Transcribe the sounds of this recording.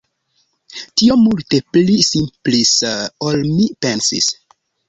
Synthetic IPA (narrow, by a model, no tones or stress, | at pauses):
tiomulte̞plisimplisolmipensḭs